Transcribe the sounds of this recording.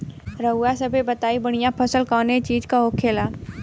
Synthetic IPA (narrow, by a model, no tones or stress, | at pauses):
ɾəɦʊasəbʱebət̪aːibɐɽ̃ijapʰəsəlkaːnet͡ʃiːd͡ʒkaɦokʰeːlaː